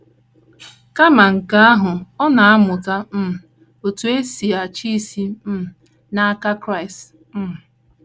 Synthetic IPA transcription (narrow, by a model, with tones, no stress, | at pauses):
ka˦ma˨ŋ̩˨ka˦a˦ɦʊ˨ɔ˦na˨a˦mʊ˨ka˦m̩˦m˨ | o˨tu˨e˦si˨a˨t͡ʃi˦si˦m̩˦˨ | na˦ka˦kɾa˦ɪ˨st | m̩˦˨